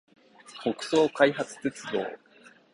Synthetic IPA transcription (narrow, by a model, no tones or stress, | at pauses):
ko̞kɯ̟̥so̞ːkaiɦat͡sɨ̥t̪e̞t͡sɨd̪o̞̰ː